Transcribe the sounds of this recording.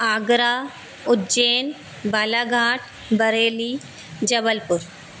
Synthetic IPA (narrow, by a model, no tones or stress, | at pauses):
aːɡɾaː | ʊt̪d͡ʒeːn | baːlaːɡʱaːʈʰ | bɐɾeːli | d͡ʒɐbəlpʊɾ